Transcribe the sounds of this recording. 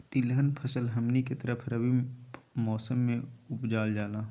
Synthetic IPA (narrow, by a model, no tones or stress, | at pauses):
t̪ɪlɦənpʰəsəlɦɐmniket̪əɾəpʰɾəbimɔːsəmːẽʊpd͡ʒaːld͡ʒaːlaː